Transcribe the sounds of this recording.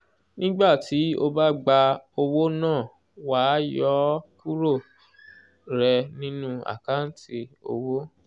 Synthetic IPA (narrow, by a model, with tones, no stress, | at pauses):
nĩ˦ɡ͡ba˦˨ti˨˦o˧ba˦ɡ͡ba˧o˧wo˦nãː˦˨ | wa˨˦jɔ˦ku˦ɾo˦˨ | ɾɛ˧nĩ˦nũ˦a̰˨ka˦n̩˦ti˧o̰˧wo˦